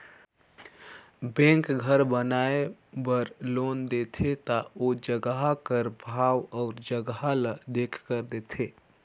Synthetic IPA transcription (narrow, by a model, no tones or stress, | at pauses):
bɛ̃ŋkɡʱəɾbənaebəɾlond̪et̪ʰet̪aod͡ʒəɡɦakəɾbʱawɔʊɾd͡ʒəɡɦaləd̪ekʰkəɾd̪et̪ʰe